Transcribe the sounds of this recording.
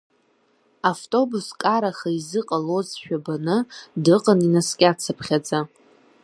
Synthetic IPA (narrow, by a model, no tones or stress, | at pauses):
aftʼo̞buskʼaɾaχaizɨqʼalozʃᶣabanɨdɨqʼaninaskʲʼat͡sʰapʰχʲad͡za